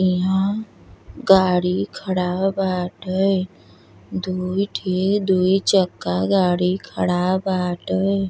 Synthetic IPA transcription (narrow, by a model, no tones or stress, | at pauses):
iɦã | ɡaːɽikʰəɽaːbaːʈəj | d̪uiʈʰikd̪uːit͡ʃəkːaɡaːɽikʰəɽaːbaːʈəj